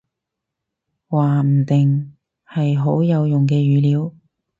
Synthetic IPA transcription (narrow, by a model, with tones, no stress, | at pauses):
waː˨˩m̩˨˩t̪ɪ˨˩ŋ | hɐ˨jɦo˨˥wjɐ˨˧wjʊ˨ŋkɛː˧ɥyː˨˧liː˨˧˥w